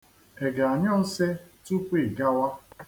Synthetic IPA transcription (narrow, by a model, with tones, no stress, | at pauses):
e˨ɡa˨a˨ɲɔ˦n̩˦se˦tu˦k͡pʷi˦˨ɡa˦wa˦